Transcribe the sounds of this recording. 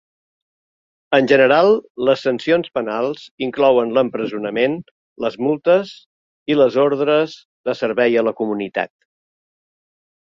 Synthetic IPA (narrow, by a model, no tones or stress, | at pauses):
ənʒənəɾalˠləsːənsionspənalˠz̥iŋklɔwənləmpɾəzunəmen | ləzmulˠt̪əz | iləzoɾðɾəz | ðəsəɾβɛjələkumunit̪a̰t̪̚